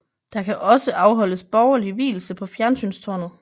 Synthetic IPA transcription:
d̥ɑ̈kʰæʔɒ̽səʔɑ̈ʊɦɒ̽l̰əsb̥ɒʊɐliʋḭːl̩səpʰɒ̽fjæɐnsy̰nst͡sʰoːnð̩ˠ

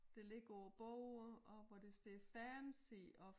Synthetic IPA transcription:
d̥e̝le̝ɡ̥ɐɒʊɐb̥ɔʊ̰ɒ̽ʋɒd̥e̝sd̥e̝fæɐnsiɒ̽

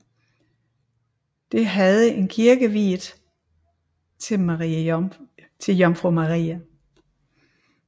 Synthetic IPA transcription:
d̥e̝ɦæð̞ˠəe̝nkʰiɐɡ̥əʋḭːðˠ | t͡sʰe̝mʁi | t͡sʰe̝jɒŋfʁomɑʁḭːæ

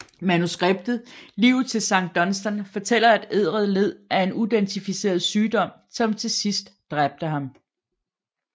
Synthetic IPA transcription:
mænusɡ̥ʁeb̥̚d̥ð̩ˠliʊt͡sʰe̝lsɑ̈ŋ̰d̥ːɒ̽nsd̥ænfɒ̽t͡sʰel̰ɐæd̥e̝ð̞̰ˠʁəð̞̩ˠle̝ð̞̰ˠæɐe̝nud̥ent͡sʰifise̝̰ːɐð̞̩ˠsyːd̥ɒ̽m̰ | sɒ̽mt͡sʰe̝sisd̥ːʁab̥̚d̥əɦɑ̈m

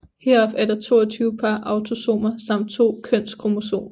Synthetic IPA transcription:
hɛɐɒb̥æɐd̥ɐt͡sʰo̝̰ːɐt͡sʰyːʊəpʰɑ̈ʔɑ̈ʊt͡sʰo̝so̝̰ːmɐsɑ̈m̰d̥̚t͡sʰo̝̰ːkʰœn̰skʰʁo̝mo̝so̝̰ːɐ

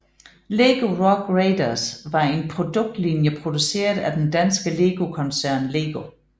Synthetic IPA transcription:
leːɡ̥o̝ʁɒɡ̥ʁeɪd̥ɐsʋɑ̈e̝npʰʁo̝d̥ɔ̽ɡ̥̚d̥linjəpʰʁo̝d̥use̝̰ːɐðˠæd̥end̥ænsɡ̥əle̝ːɡ̥o̝kʰɒ̽nsæɐ̰nle̝ːɡ̥o̝

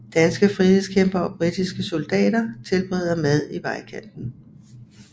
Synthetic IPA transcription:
d̥ænsɡ̥əfʁiheðˠskʰemb̥ɐɒ̽b̥ʁid̥isɡ̥əso̝ld̥ɛ̰ːd̥ɐt͡sʰe̝lb̥ʁɛð̰ˠɐmæð̞ˠiʋɑ̈ɪkʰæn̰d̥n̩

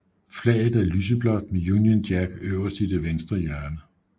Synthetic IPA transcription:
flɛ̰ːɪð̩ˠæɐlyːs̬əb̥lɒ̽d̥̚mejunjənd̥jæɡ̥øʊɐsd̥id̥eʋensd̥ʁɐjæɐnə

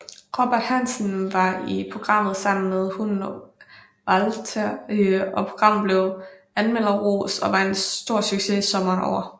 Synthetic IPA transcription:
ʁob̥æɐd̥hænsən̩ʋɑ̈ipʰʁo̝ɡ̥ʁɑ̈m̰ð̞̩ˠsɑ̈m̰n̩með̞ˠhun | ʋælt͡sʰæɒ̽pʰo̝ɡ̥ʁɑ̈m̰ð̩ˠble̝ʊ | ænmel̰ɐʁo̰ːsɒ̽ʋɑ̈e̝nd̥o̝ɐ̰syɡ̥se̝isɒ̽mɐːnɒ̰ʊ̰ɐ

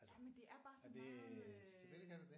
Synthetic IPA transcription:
jæmend̥e̝ʔæɐb̥ɑ̈ːsnː

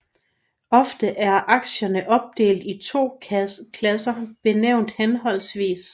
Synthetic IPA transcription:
ɒ̽fd̥əʔæɐʔɑ̈ɡ̥ɕɐnəʔɒ̽b̥̚d̥e̝̰ːld̥it͡sʰo̝̰ːkʰlæsɐb̥e̝neʊ̰nd̥henɦɒ̽l̰sʋḭːs

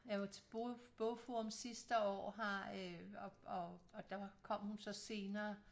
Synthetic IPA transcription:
jɑ̈ʋɑ̈t͡sʰe̝b̥ob̥ofomsisd̥əɒ̰ːɦɑøɒɒ̽ɒ̽d̥ɑkʰɒ̽m̰hunsɒ̽se̝ːnɐː

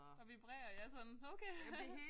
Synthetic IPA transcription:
ɒ̽ʋib̥ʁɛ̰ːɐjɑsɒ̽noʊkʰeː

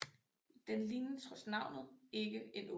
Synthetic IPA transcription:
d̥enlinəsʁɒsnɑ̈ʊ̰nð̩ˠe̝ɡəe̝no

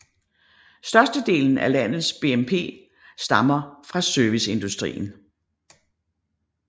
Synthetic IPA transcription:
sd̥ɶɐsd̥əd̥e̝̰ːln̩ælæn̰ð̩ˠsb̥e̝ːempʰe̝̰ː | sd̥ɑ̈mɐfʁɑ̈søɐʋise̝nd̥usd̥ʁḭːn̩

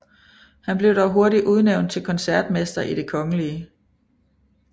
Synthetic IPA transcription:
hænb̥le̝ʊɾ̥ɒʊɦo̝ɐɾiʔuð̞ˠneʊn̚t͡sʰe̝lkʰɒ̽nsæɐd̥mesd̥ɐʔid̥e̝kʰɒ̽ŋəliə

